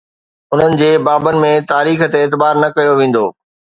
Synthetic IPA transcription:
ʊn̤ənɪ̆d͡ʑeːbaːbənɪ̆mẽt̪aːɾiːxə̆t̪eːt̪̬ɪbaːɾnɐkɐjoʋẽːn̆d̪oː

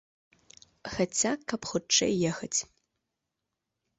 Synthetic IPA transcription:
xɐt͡sʰʲakːɐpxʊʈ͡ʂːḛjːɛxɐt͡sʲ

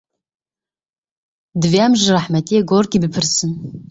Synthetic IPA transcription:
dvjamʒaraħmatʼeaɡorɡʲʼibipʰɨrsɨn

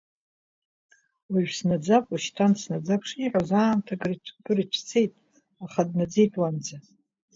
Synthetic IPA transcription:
wiʒᶣsnad͡zakʼuʃtʰansnad͡zapʰʂiħʷᶣozaːmtʰaɡrɡɨrit͡ʃʷʰt͡sʰe̞jtʼ | aχadnad͡zejtʼwand͡za

